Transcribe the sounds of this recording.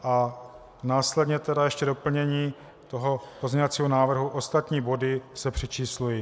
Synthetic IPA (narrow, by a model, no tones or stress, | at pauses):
ʔa | naːslɛdɲɛt̪ɛdajɛʃcɛdo̞pl̩ɲɛɲiː | t̪o̞ɦo̞pozɲovat͡siːɦonaːvr̩ɦuʔo̞st̪at̪ɲiːbo̞dɪsɛpr̝̥ɛt͡ʃiːsluji